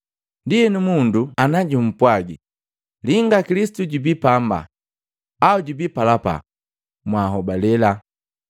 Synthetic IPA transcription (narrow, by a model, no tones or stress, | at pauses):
ndijɛnumunduanaɟum̩pwaɡi | liŋɡakilisi̥tuɟubipamba̰ | auɟubipalapa̰ | mwaɦɔbalɛla